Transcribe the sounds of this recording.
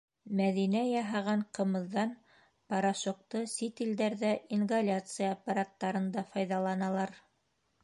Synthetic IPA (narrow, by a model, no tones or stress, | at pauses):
mæðinæjɑɦɑʁɑɴqɤ̆mɤ̆ðːɑn | pɑɾɑʃŏq̚t̪ɤsʲit̪ild̪æɾðæinɡalʲat̪sɨjaːpːaɾat̪ːɑɾɤ̆nd̪ɑfɑjðɑlˠɑnɑlˠɑɾ